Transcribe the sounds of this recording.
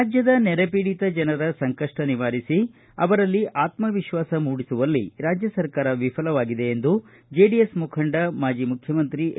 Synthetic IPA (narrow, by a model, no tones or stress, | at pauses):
ad͡ʒjɐd̪ɐnɛɾɐpiːɽit̪ɐd͡ʒɐnɐɾɐsɐŋkɐʂʈɐniʋaːɾisi | ɐ̰ʋɐɾɐlːiʔaːt̪mɐʋiʃʋaːsɐmuːɽisuʋɐlːiɾaːd͡ʒjɐsɐɾkaːɾɐʋifʰɐlɐʋaːɡid̪e̞ːnd̪u | d͡ʒeːɖiesmukʰɐɳɖɐmaːd͡ʒimukʰjɐmɐnt̪ɾi